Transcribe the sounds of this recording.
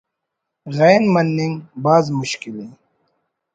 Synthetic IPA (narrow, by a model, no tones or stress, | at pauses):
ɣeːnmɐnːĩŋɡbaːzmʊɕkileː